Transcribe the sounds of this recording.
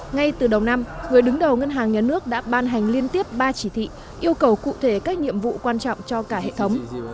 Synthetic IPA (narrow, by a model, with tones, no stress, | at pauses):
ŋa˧jt̪ɨ˨˩ɗə˨˩wna˧mŋɨ˨˩əjɗɨ˨˦ŋɗə˨˩wŋə˧nɦaː˨˩ŋɲaː˨˩nɨ˦˥ək̚ɗa̰ː˧˥ɓaː˧nɦa˨˩jŋ̟li˧ənt̪i˦˥əp̚ɓaː˧t͡ɕi˧˩t̪ʰḭ˧˨ | ʔi˧əwkə˨˩wkṵ˧˨t̪ʰe˧˩kaː˦˥k̚nɲḭ˧˨əmvṵ˧˨kwaː˧nt͡ɕɔ̰˧˨wŋ͡mt͡ɕɔ˧kaː˧˩ɦḛ˧˨t̪ʰə˨˦wŋ͡m